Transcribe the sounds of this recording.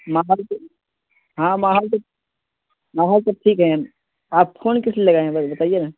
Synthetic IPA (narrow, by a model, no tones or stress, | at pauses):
maːɦɔːl | ɦãːmaːɦɔːls̬ɐ | maːɦɔːlsɐʈʰiːkɦɛ̃ | aːpfʰoːnkɪslilɐɡaɦɛ̃bɐt̪aːijenaː